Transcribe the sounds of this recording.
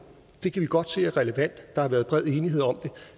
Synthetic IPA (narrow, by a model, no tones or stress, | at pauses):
d̥e̝kʰæʋiɡ̥ɒ̽d̥se̝̰ːæɐʁɛləʋæn̰d̥d̥ɑ̈hɑ̈ʋæːɐð̞ˠb̥ʁɛð̞̰ˠe̝ːniɦe̝ð̰ˠɒ̽md̥e̝